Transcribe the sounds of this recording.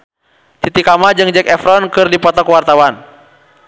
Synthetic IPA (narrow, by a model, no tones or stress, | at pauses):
t̪it̪ikamad͡ʒɨŋd͡ʒɛkɛfɾɔnkɨrdipɔt̪ɔkwart̪awan